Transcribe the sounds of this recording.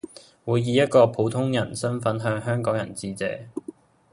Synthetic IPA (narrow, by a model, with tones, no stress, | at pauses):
wuː˨˧jːiː˨˧jɐ˥t̚kɔː˧pʰo˨˥wt̪ʰʊ˥ŋjɐ˨˩nsɐ˥nfɐ˨˥nɦœː˧ŋɦœː˥ŋkɔː˨˥ŋjɐ˨˩nt͡siː˧t͡sɛ̰ː˨˥